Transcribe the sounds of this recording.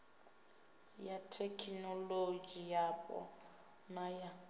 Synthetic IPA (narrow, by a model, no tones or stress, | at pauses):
jatʰekʰnɔloɡijapʼɔ̰ | naja